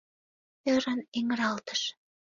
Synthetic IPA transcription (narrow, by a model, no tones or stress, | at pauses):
øɾəneŋɾɑlt̪ə̥ʃ